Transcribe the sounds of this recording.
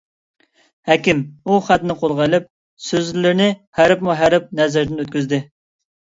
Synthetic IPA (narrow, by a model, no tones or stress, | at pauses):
hækʲɪmuχæt̪nɪqʰolˠʁɑjlˠɪp̚ | søzlɪɾnɪhæɾɪpmuɦæɾɪp̚nɛzɪɾd̪ɪnøt̪̚kʲyzd̪ɪ